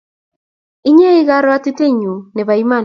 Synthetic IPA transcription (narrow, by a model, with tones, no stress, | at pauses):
i˦ɲe˦ɪ˦ɣa˦ɾɔ˦a˦ti˦te˦ɲu˨ne˨βa˨i˦ma˦˨n